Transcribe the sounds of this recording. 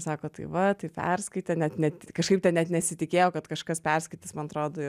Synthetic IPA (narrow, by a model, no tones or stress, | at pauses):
sɑːkoːt̪ɐ̰ɪʋɐt̪ɐɪpʲɛ̰rskɐɪt̪ʲɛnʲɛt̪nʲɛtʲkɐʃkɐɪpt̪ʲɛnnʲɛt̪nʲɛsʲɪt̪ʲɪkʲeːjoːkɐt̪kɐʃkɐspʲɛrskɐɪt̪ʲɪsmɐnɐt̪ɾoːd̪oːɪ